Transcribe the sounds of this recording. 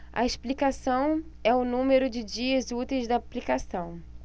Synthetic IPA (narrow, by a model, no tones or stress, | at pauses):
ɐ̰esplikasɐ̃w̃ɛʊnũmeɾʊd͡ʒɪd͡ʒiɐzut̪ejzd̪ɐːplikasɐ̃w̃